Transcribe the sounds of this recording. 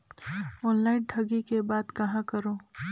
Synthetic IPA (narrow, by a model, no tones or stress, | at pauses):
ɔːnlaːɪnɖʰʱɐɡikebaːd̪kɐɦãkɐɾoː